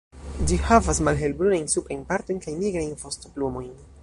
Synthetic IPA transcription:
d͡ʒihavasmalɦe̞lbɾunajnsupɾajnpaɾt̪o̞jnkajniɡɾajnfostoplumo̞jn

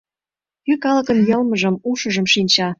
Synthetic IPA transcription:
kykɑlɤ̆kɤ̆njɤ̆lmɤʒɤ̆muʃɤ̆ʒɤ̆mʃinʲt͡ɕɑ

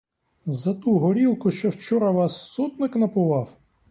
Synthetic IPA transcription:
zɐt̪uɦɔɾʲiwkʊʃt͡ʃɔwt͡ʃɔɾɐʋɑsːɔt̪nɪknɐpʊʋɑw

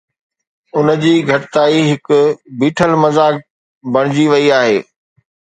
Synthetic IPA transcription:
ʊnəd͡ʑiːɡʱɐʈɪt̪aːiɦɪkʊbiːʈʰəlmɐzaːk̚ | bɐɽ̃ɪd͡ʑiʋɐiaːɦeː

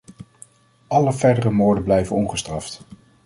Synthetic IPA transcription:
ʔɑləvɛɹdərəmoːɹdəblɛjvənɔnχəstrɑft

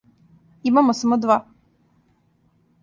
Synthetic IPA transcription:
imamosamod̪ʋa

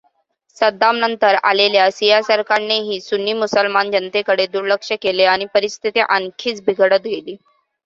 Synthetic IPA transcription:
səd̪amnənt̪əɾa̰leljasijasəɾkaɾneɦiːsunːiːmusəlmand͡ʑənt̪ekəɽed̪uɾləkʂəkeleaɽ̃ipəɾist̪ʰit̪eʔənkʰiːt͡sbʱiɡʱəɽət̪ɡeliː

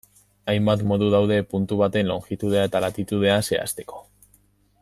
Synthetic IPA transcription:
ajmbat̪mo̞ðuð̞awðe̞punt̪uβ̞at̪e̞nlo̞ŋkit̪uð̞e̞ae̞t̪alat̪it̪uð̞e̞ase̞a̰st̪e̞̥ko̞̥

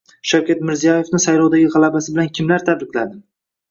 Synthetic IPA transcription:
ʃawkʲat̪mɪɾzijaje̞fnɪsajlɒwd̪aɡʲɪʁɑlˠabasɪbɪlankʲʰɪmlaɾt̪ʰabɾɪkʲlad̪ɪ

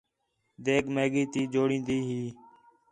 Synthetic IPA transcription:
d̪eːkɡmeːɠiːt̪iːd͡ʒoːɽĩːnd̪iːɦiː

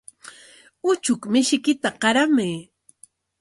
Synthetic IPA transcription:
ʊt͡ʃʊkmɪʃɪkɪt̪aqɑɾamaj

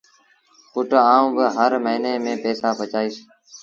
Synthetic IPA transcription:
kʊʈaːũːbəɦəɾməɦiːneːmẽːpeːsaːpət͡ʃaːiːs

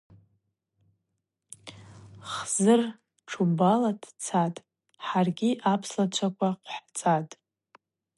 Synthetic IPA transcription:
χzɨr | ʈ͡ʂʰubaladʰt͡sʰatʼ | ħarɡʲiʔapʰslat͡ɕʷʰakʷʰaqʷħt͡sʼatʼ

